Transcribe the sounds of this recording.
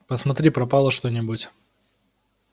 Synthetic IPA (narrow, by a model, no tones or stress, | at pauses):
pəsmɐt̪ɾʲipɾɐpalˠəʂt̪onʲɪbʊtʲ